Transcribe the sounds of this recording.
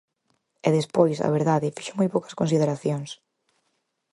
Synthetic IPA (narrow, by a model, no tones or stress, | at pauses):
ɛðespojsɐ̰βeɾðaðɪfi̥ʃomojpowkɐ̥skons̬ið̞eɾaθjoŋs